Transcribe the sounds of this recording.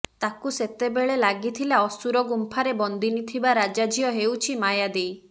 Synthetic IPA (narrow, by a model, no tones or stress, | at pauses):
t̪akuset̪ebeɭelaɡit̪ʰilaɔsuɾɔɡumpʰaɾebɔnd̪ʱinit̪ʰibaɾad͡ʒad͡ʒʱijɔɦewt͡ʃʰimajad̪ej